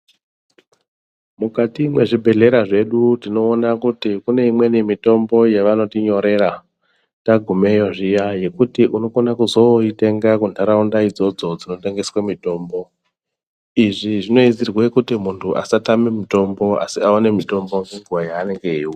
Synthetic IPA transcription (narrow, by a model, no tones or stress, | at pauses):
mukatimwe̞ʐibʱe̞ɮe̞ɾaʐe̞ɗutino̞ːnakutikune̞imwe̞nimito̞mbo̞jeʋanotiɲo̞ɾe̞ɾa | taɡʱume̞joʐijaje̞kutiʔuno̞konakuzo̞ite̞ŋɡakunʰʱaɾaundaid͡zo̞d͡zo̞d͡zino̞te̞ŋɡe̞swamito̞ːmbo̞ | iʐiʐino̞id͡zirwekutimuntʰuʔa̰satamemito̞mbo̞a̰siaone̞mito̞mbo̞ŋɡeŋɡuwajaːne̞ŋɡe̞iwi